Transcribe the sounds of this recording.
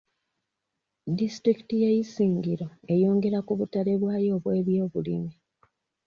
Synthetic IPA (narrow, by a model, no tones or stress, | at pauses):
distɾiki̥tijaisiːŋɡiɾo̞e̞jo̞ːŋɡe̞ɾakuβutale̞βwaːjo̞ːβwe̞ːβjo̞ːβulḭmi